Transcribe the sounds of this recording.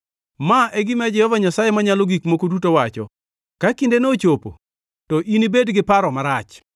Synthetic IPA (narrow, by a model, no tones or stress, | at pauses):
maʔɛɡɪmɛd͡ʒɛhɔvaɲasajemaɲaloɡikmokodutowat͡ʃɔ̰ | kakindenot͡ʃopo̰ | tɔʔinibedɡɪpaɾɔmaɾat͡ʃ